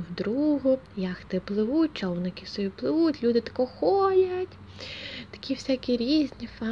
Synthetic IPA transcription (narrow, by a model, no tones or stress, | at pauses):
wd̪ɾuɦʊjaxt̪ɪplˠɪʋutʲt͡ʃɔwnɔkʲɪsɔjʲiplˠɪʋutʲlʲud̪ɪt̪ɐ̥kɔxɔjɐtʲ | t̪ɐ̥kʲiwsʲakʲiɾʲizʲnʲifa